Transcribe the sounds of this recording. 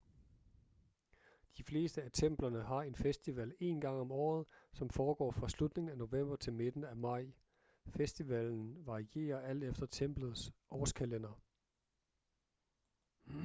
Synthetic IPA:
d̥ifle̝ːsd̥əæt͡sʰem̰b̥lɐnəɦɑ̈e̝nfesd̥iʋæle̝ːnɡ̥ɑ̈ŋ̰ɒ̽mɒ̰ːð̞̩ˠsɒ̽mfɒːɡ̥ɒ̰ːfʁɑ̈slud̥ne̝ŋn̩æno̝ʋem̰b̥ɐt͡sʰe̝lme̝d̥n̩æmɑ̈ɪ̰ | fesd̥iʋæln̩ʋɑ̈ʁie̝̰ːɐʔæl̰d̥efd̥ɐt͡sʰem̰b̥lð̞̩ˠsʔɒːskʰælenɐ

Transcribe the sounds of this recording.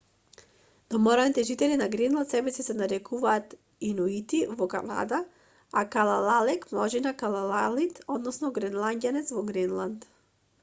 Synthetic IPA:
d̪̥ɔmɔɾanit̪ɛʒit̪ɛlinaɡɾɛnlˠant̪sɛbɛsɛsɛnaɾɛkuvaːt̪ | inuit̪ivɔka̰na̰d̪a | akalˠalˠalɛkmlˠɔʒinakalˠalˠalit̪ɔd̪nɔsnɔɡɾɛnlˠanɟ̪ʲjanɛt̪svɔɡɾɛnlˠant̪

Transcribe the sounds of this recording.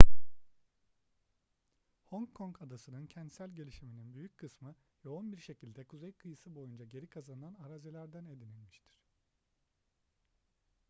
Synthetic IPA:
hoŋkʰːoŋkʰad̪asɯnɯncʰɛnd̪sælʲɟe̞lʲiʃimininbyjyc̚kʰɯsmɯ | jo̞unbiɾʃe̞cilʲd̪ɛkʰuzejkʰɯjɯsɯbo̞jund͡ʒaɟe̞ɾikʰazananaɾazelʲæɾd̪æne̞d̪inilʲmiʃt̪ʰi̥ɾ̥

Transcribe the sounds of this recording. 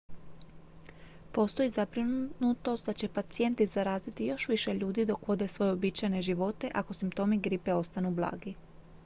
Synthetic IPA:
po̞st̪o̞izabɾinunut̪o̞st̪d̪at͡ɕe̞pat̪sije̞nt̪izaɾaːzit̪ijo̞ʃʋiʃe̞ʎuːd̪id̪o̞kʋo̞d̪esʋo̞je̞obit͡ʃajne̞ʒiʋo̞t̪e̞ʔako̞simpt̪o̞ːmiɡɾipe̞o̞st̪anublˠa̰ːɡi

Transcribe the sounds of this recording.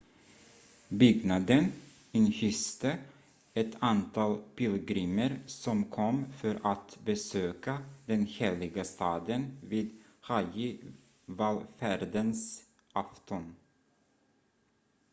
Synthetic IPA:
bʏɡnad̪ən | ɪnçʏst̪ə | ɛt̪ant̪ʰɑːlpɪlɡɾiːməɾsɔmkʰɔmfœɾʔat̪bɛsøːkad̪ɛnheːlɪɡast̪ʰɑːd̪ənviːd̪ | hajɪ | valfæɾd̪əns | ʔaft̪ɔn

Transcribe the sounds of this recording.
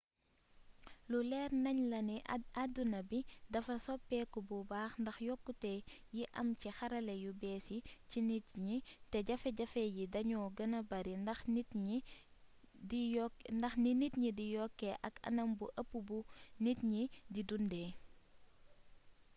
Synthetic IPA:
lulɛːrnɐɲlɐniɐdunɐbidɐfɐsɔpːɛkɔbubaːxndɐxjɔkːutɛjiʔɐ̰mcixɐɾɐlɛjubɛːsicinitɲitɛɟɐfɛɟɐfɛjidɐɲɔːɡɐnɐbɐɾindɐxnit | dijndɐxninitɲidijɔkːɛʔɐkɐ̰nɐmbuʔɐpːubunitɲididundɛː

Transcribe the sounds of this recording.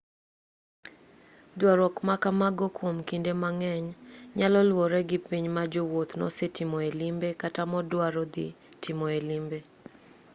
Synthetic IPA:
dwaɾɔkmakamaɡɔkwomkindemaŋɛɲɲalɔlwɔɾɛɡɪpiɲmad͡ʒɔwot̪nɔ̰setimɔelimbekatamɔdwaɾɔd̪ɪ̰ | tʰɪmɔelimbe

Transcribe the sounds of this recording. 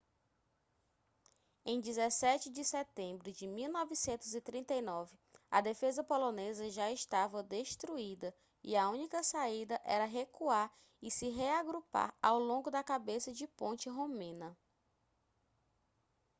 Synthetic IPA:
ẽj̃d͡ʒizɛsɛt͡ʃɪd͡ʒɪsɛt̪ẽmbɾʊd͡ʒɪmiwnɔvisẽnt̪ʊzit̪ɾĩnt̪ejnɔvɪɐ̰d̪efezɐpolõnezɐʒaɪʃt̪avɐd̪eʃt̪ɾuid̪ɐ | ḭɐũnikɐsaid̪ɐʔɛɾɐɦekuaɾ | ɪsɪɦeaɡɾupa̰ɾawlõŋɡʊd̪ɐkabesɐd͡ʒɪpõnt͡ʃɪɦõmẽnɐ

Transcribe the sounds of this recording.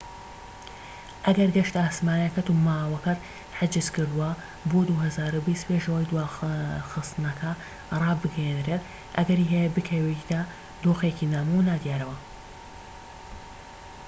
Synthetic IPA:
ʔɐɡɐɾɡɐʃt̪aːsmaːnɐkɐt̪umaːwɐkɐt̪ | ħɪd͡ʒɨzkɨɾd̪uwɐ | boːd̪uhɐzaːɾubist̪peːʒɐwɐjd̪uwaːxɨst̪ɨnɐkʰɐ | rˤɑːbɨɡɛjenɾet̪ | ʔɐɡɐɾiːɦɛjɐbɨkʰɐjwek̪a | d̪oːxekinaːmunaːd̪jaːɾɐwɐ

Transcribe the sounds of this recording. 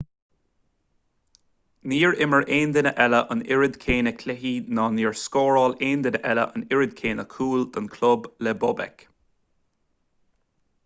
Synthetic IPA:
niːɹɪməɹʔeːnd̪ɪnəʔɛləʔənɪɹəd̪kʰeːnəkʰlɪɦinɑːniːɹskɔːɹɔːleːnd̪ɪnəʔɛlə̰ʔə̰nɪɹəd̪̚kʰeːnəkʰuːld̪ənkʰlʊblɛbɔbɛ̰k

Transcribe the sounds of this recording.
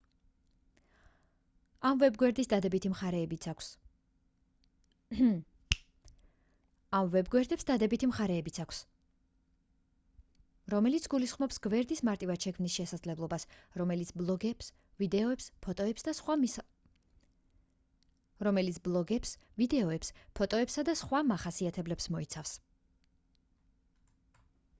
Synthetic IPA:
amvɛbɡwɛɾd̪isd̪ad̪ɛbit̪ʰimχaɾɛːbit̪sʰakʷʰs | amvɛbɡwɛɾd̪ɛpsd̪ad̪ɛbit̪ʰimχaɾɛːbit̪sʰakʷʰs | ɾɔmɛlit̪sʰɡulisχmɔpsɡvɛɾd̪ismaɾt̪ʼivad̪ʃɛkʰmnisʃɛsad̪zlɛblˠɔbasɾɔmɛlit̪sblˠɔɡɛs | vid̪ɛɔɛpspʰɔt̪ʼɔɛpsd̪aswa | ɾɔmɛlit̪sʰblˠɔɡɛps | vid̪ɛɔɛpspʰɔt̪ʼɔɛpsad̪asχwamaχasiat̪ʰɛblɛpsmɔit̪sʰafs

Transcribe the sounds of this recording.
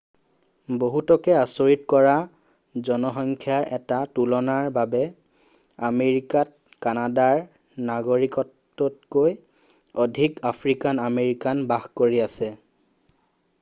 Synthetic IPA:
boɦutɔkɛasoɹitkɔɹa | zɔnɔxɔŋkʰjaɹʔɛtatulɔnaɹbabɛ | ameɹikat̚ | kanadaɹ | naɡoɹikɔtː | ɔt̚koj | odʱikapʰɹikanameɹikanbaxkoɹiasɛ

